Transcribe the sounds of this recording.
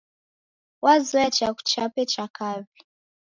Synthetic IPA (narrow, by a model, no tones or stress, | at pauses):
wazwat͡ʃaku̥t͡ʃapɛt͡ʃakavi